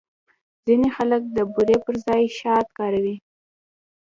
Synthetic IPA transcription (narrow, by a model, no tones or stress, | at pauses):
zinexalək̚d̪əbuɾepəɾzɑjʃɑt̪̚kɑɾawi